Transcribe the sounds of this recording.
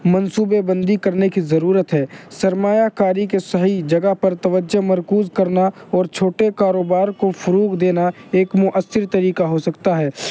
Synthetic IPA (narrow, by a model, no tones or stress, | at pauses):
mɐ̃nsuːbebɐ̃nd̪ikɐɾnekizɐɾuːɾət̪ɦɛːsɐɾmaːjakaːɾikesɐɦid͡ʒɐɡəɦpɐɾt̪ɐʋəd͡ʒːəmɐɾkuːzkɐɾnaɔːɾt͡ʃʰoːʈekaːɾoːbaːɾkofɐɾuːkd̪eːnaeːkmʊʔəsːɪɾt̪ɐɾiːkaɦosɐkt̪aɦɛː